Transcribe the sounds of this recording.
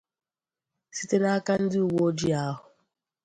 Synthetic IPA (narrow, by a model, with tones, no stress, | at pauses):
si˦te˦na˦a˦ka˦n̩˦dɪ˦u˨wo˦d͡ʒi˦a˦ɦʊ˨